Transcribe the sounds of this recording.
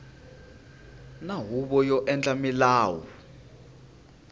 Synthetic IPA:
naɦuɓɔjɔʔɛnt͡ɬʼamilaːwɔ

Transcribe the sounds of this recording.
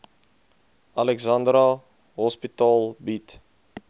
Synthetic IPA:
ɐlɛkzɐndɾɐ | ɦɔspitɑːlˠbit

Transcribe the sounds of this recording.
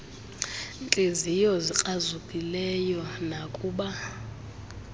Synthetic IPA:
nt͡ɬʼezijɔzik͡xʼazukʼilɛjɔnakʼuːɓa

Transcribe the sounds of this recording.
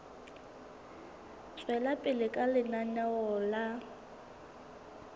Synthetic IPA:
swɛlapʼɪlɪkʼalɪnanaɔːla

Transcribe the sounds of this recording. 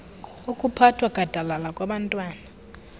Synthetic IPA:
ukʼupʰatʰwaɡ̥ʱad̥ʱalalakʼwaɓantʼwaːna

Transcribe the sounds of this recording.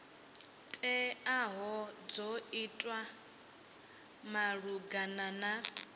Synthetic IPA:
tʼɛaɦɔd͡zoitʼwa | maɺuɡanana

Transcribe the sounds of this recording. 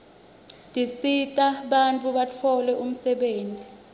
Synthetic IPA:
dʱisitʼaɓant͡fʰʼuɓat͡fʰɔlɛʔum̩sɛɓeːntʼi

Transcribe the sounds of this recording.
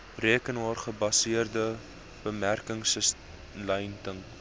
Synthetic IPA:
riəkənɦɑːrχəbɐsiərdə | b̥əmærkəŋsəs | lɐjntəŋ

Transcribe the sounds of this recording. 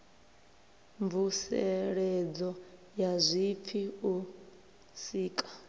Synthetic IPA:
ɱvusɛɺɛd͡zɔ | jazʷip̪fʰiu | siːkʼḁ

